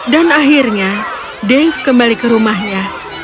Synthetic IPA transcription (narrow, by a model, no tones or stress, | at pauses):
danaɦirɲa | dɛfkəmbalikəɾumaɦɲa